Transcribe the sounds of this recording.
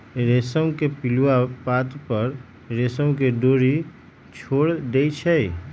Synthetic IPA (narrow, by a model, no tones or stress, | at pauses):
ɾeːsəmkepɪlwapaːt̪pəɾ | ɾeːsəmkeɖoːɾi | t͡ʃʰoːɽd̪eːit͡ʃʰɛi